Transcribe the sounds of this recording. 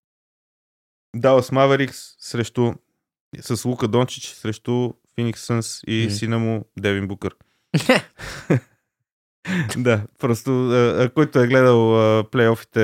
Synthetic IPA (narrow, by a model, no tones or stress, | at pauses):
d̪aləsmavɛɾiksːɾɛʃt̪ʊ | səslˠukəd̪ɔnt͡ʃi̥t͡ʃsɾɛʃt̪ʊ | finiksənsisinəmʊd̪ɛvinbukəɾ | d̪apɾɔst̪ʊəkɔjt̪ʊɛɡlɛd̪əlˠəplɛjɔfi̥t̪ɛ